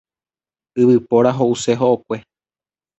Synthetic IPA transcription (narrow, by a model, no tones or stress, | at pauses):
ɨβɨpoɾaɦoʔuse̞ɦoʔokʷe̞